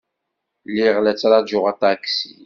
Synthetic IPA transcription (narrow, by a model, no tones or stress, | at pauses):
lːiʁlæt͡sːɾˤad͡ʒʊʁat̪aksi